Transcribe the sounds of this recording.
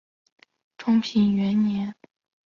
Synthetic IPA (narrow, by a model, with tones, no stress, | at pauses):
ʈ͡ʂʰʊ˥ŋpʰi˧˥nɥɛ˧˥nnjɛ˧˥n